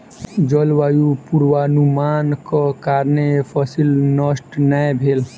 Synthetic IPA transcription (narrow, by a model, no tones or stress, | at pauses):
d͡ʒəlʋajupuɾʋanumaːnkɔkaːɾnepʰɔsilnəsʈnajbʱeːl